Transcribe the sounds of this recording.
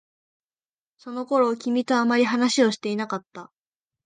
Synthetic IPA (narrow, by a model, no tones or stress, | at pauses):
so̞no̞ko̞ɾo̞kʲimʲit̪o̞amaɾʲiɦanaɕio̞ɕi̥t̪e̞inakat̪ːa